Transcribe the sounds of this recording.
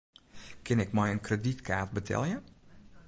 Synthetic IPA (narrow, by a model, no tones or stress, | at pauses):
kʰɪnɪkmɛjənkreditkʰaːt̚bətʰɛ̰lˠjə